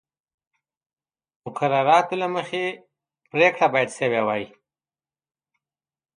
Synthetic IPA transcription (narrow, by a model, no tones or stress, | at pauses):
mʊkaɾɑɾɑt̪olaməxe | pɾekɽabɑjad̪sewewɑji